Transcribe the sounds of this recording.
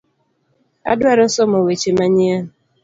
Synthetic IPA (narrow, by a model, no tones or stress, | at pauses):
a̰dwaɾɔsɔmɔwet͡ʃemaɲia